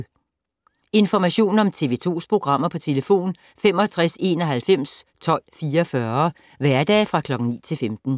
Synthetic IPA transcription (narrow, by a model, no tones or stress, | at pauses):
e̝nfɒmæɕo̝̰ːnɒ̽mt͡sʰe̝ʋe̝t͡sʰo̝̰ːspʰʁo̝ɡ̥ʁɑ̈m̰ɐpʰɒ̽t͡sʰe̝ləfo̝̰ːn | fem̰ɒ̽t͡sʰʁase̝ːnɒ̽ɦælfem̰st͡sʰɒ̽l̰fiːɐfɶɐ | ʋæɐd̥ɛ̰ːfʁɑ̈kʰlɒ̽ɡ̥ŋ̩nḭːt͡sʰe̝lfemd̥n̩